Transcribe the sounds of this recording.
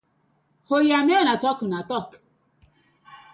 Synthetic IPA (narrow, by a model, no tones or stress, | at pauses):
hojamenatɔknatɔk